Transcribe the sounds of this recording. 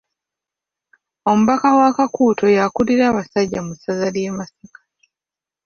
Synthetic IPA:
o̞muβakawakakuːtʰo̞jakuliɾaβasaɟamusazaljemasikḁ

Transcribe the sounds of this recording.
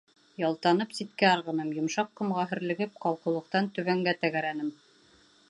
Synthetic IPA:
jɑlˠt̪ɑn̪ɤpsit̪kæɑɾʁɤ̆nɤmjŏmʃɑqːɤ̆mʁɑɦɘ̆ɾlɘ̆ɡɘp̚qɑlˠqɤ̆lˠɤ̆q̚t̪ɑnt̪ɵ̆βæŋɡæt̪æɡæɾænɘm

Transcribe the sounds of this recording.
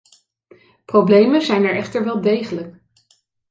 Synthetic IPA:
prowblejməzɛjnɛɹɛχtəɹʋɛlˠdejχələk

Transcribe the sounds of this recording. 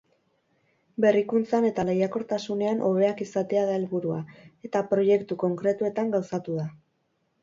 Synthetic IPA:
be̞rikunt͡sane̞t̪alejako̞ɾt̪asune̞anʔo̞β̞e̞akisat̪e̞aðaelβuɾuae̞t̪apɾo̞je̞kt̪uko̞ŋkɾe̞t̪ue̞t̪aŋɡawsat̪uða

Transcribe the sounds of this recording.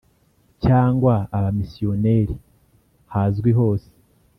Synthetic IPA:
caːŋɡwaːβamisijo̞ne̞ɾi | hazɡwiɦo̞ːse̥

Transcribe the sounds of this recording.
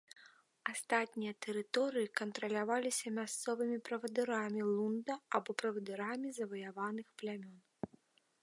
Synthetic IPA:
ast̪at̪ʲnʲijɐt̪ɛɾɨt̪ɔɾɨjikɐnt̪ɾɐlʲavalʲisʲɐmʲast̪sɔvɨmʲipɾɐvɐd̪ɨɾamʲilˠund̪ɐabɔpɾɐvɐd̪ɨɾamʲizɐvɐjavanɨxplʲamʲɔn

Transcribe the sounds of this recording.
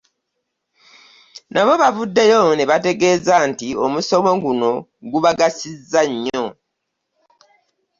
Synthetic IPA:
naβo̞βavudːe̞jo̞neβate̞ɡe̞ːzantio̞muso̞mo̞ɡuno̞ɡuβaɡasizːaɲːo̞

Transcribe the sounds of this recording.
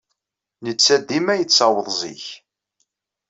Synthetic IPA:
nət͡sːæd̪imæjət͡sːɑwəðˤzḭç

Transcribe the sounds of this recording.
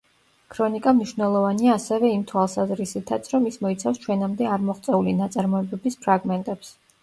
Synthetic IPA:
kʰɾɔnikʼamniʃvnɛlˠɔvaniaːsɛvɛimt̪ʰwalˠsazɾisit̪ʰat̪sʰɾɔmismɔit̪sʰafst͡ʃʰwɛnamd̪ɛaɾmɔχt̪sʼɛulinat̪sʼaɾmɔɛbɛbispʰɾaɡmɛnt̪ʼɛps

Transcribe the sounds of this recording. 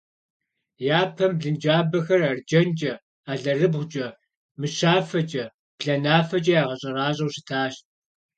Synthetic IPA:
jaːpʰɐmbɮɨnd͡ʒaːbɐxɐrard͡ʒɐnd͡ʒʼɐ | aːɮɐrɨbʁʷʊd͡ʒʼɐ | mɨʃaːfɐd͡ʒʼɐ | b̥ɮɐnaːfɐt͡ʃʼɐjaːʁɐɕʼɐraːɕʼɐwɕɪ̥tʰaːɕt̚

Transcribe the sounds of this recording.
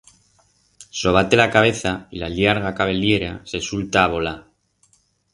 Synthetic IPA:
so̞β̞at̪e̞lakaβe̞θailaʎjaɾɣ̞akaβe̞lje̞ɾasesult̪aːβ̞o̞la

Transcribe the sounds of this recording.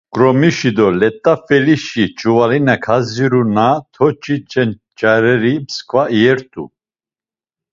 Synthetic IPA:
kʼɾɔmiʃid̪ɔlɛt̪ʼːafɛliʃit͡ʃʼuvalinakʰaziɾunat̪ʰɔt͡ʃʰʼit͡ʃʼɛn | t͡ʃʼaɾɛɾipskʰʼvaiɛɾt̪ʼṵ

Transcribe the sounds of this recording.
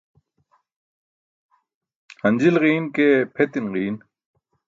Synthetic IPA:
hɐnd͡ʑilɣiːnkeːpʰet̪inʁiːn

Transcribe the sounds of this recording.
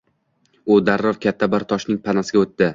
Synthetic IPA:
ʊd̪aɾːɒɾkʲʰat̪ʰːabɪɾt̪ʰɒʃnɪŋpʰanasɪɡʲaot̪ːɪ

